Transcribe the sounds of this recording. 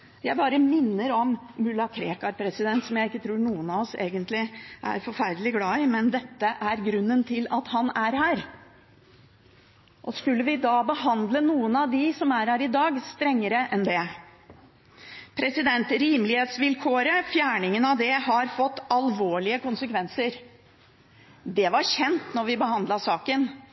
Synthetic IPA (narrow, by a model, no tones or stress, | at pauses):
jæɪbɑːɾəmɪnːəɾɔmːʉlːɑkʰɾeːkɑɾpʰɾɛsɪd̪ɛnt̪sɔmjæɪɪkːət̪ʰɾuːɾɳuːənɑɔsḛːɡənt̪lɪʔæ̰ɾfɔɾfæɾd̪əlɪɡlɑːɪmɛnd̪ɛt̪ːəʔæɾɡɾʉnːənt̪ʰɪlɑt̪hɑnæɾhæːɾ | ʔɔskʉlːəʋɪd̪ɑːbəɦɑnd̪lənuːənɑʋd̪ɪsɔmæɾhæːɾɪd̪ɑːɡst̪ɾɛŋːəɾəʔɛnd̪ɛ | pʰɾɛsɪd̪ɛnt̪ɾiːməlɪheːt̪sʋɪlkʰoːɾəfjæːɳɪŋənɑʋd̪ɛhɑɾfɔt̪ːɑlʋoːɭɪəkʊnsəkʰʋɛnsəɾ | d̪ɛʋɑɾɕɛnt̪nɔɾʋɪbəɦɑnd̪lɑʂɑːkən